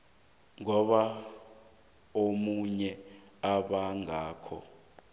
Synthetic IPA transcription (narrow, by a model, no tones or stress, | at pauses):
ŋɔɓa | omuɲɛ | aɓaŋaːkʰɔ̰